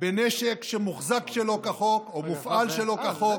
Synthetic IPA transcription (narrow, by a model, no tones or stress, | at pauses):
beneʃekʃemuχzakʃelo̞kaχokomufʔalʃelo̞kaχok